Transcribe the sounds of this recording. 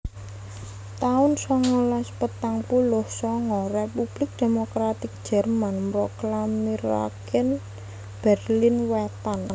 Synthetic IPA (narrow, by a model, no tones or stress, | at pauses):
t̪aʊnsɔŋɔlaspət̪aŋpulʊhsɔŋɔrepub̥lɪk̚d̪̥e̤mokɾat̪ɪk̚d̥ʒ̥ɛ̤rmanmɾɔklamiɾa̰kɪn | b̥ɛrlinwɛt̪an